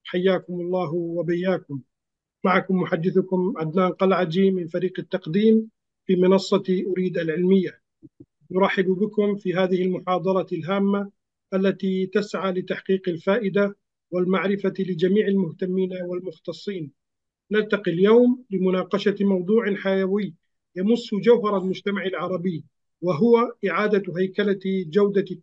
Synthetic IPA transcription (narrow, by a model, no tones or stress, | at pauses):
ħajːaːkʊmɑlˤːɑːɦwabajːaːkʊmː | aʕakʊmːʊħad̪ːɪθʊkʊmʕad̪naːnqɑlʕad͡ʒimɪnfaɾiːqɪt̪ːɑqd̪iːm | fiːmɪnɑsˤːɑt̪ʔʊɾiːd̪ʔalʕɪlmɪjːa | nʊɾˤɑħːɪbbɪkʊmfiːɦaːðɪhɪlmʊħɑːd̪ˤɑlɑlɦaːmːa | ʔalːat̪it̪asʕaːlɪt̪aħqiːqalfaːʔɪd̪a | wɪlmaʕɾɪfalɪd͡ʒamiːʕalmʊht̪amːiːnawɪlmʊxt̪ɑsˤːiːn | nalt̪ɑqiljawmlɪmʊnɑːqɑʃamɑwd̪ˤuːʕɪnħajawɪjː | jamʊsːʊd͡ʒawɦɑɾˤalmʊd͡ʒt̪amaʕalʕɑɾˤɑbɪjː | wɪɦʊwaʔɪʕaːd̪at̪ɦajkalad͡ʒawd̪a